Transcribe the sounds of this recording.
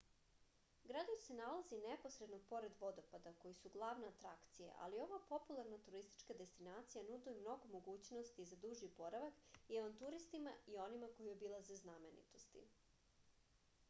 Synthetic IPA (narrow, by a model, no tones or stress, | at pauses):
ɡɾad̪ojse̞nalˠazineposɾe̞d̪nopo̞ɾed̪ʋo̞d̪o̞pad̪ako̞jisuɡlˠaːʋneat̪ɾakt̪sijḛʔa̰lio̞ʋapo̞pulˠaɾnat̪uɾist̪i̥t͡ʃkad̪e̞st̪inaːt̪sijanud̪uimno̞ɡomo̞ɡuːt͡ɕno̞st̪izad̪uʒipo̞ɾaʋakiaʋant̪uɾist̪imaio̞nimako̞jio̞bilˠazeznamenḭt̪o̞st̪ḭ